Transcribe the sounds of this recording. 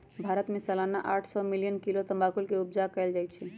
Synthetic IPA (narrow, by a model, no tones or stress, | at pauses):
bʱaɾət̪mesəlanaʔaːʈʰsɔmilijənkilot̪əmbakulkeupd͡ʒakɛɪld͡ʒajt͡ʃʰil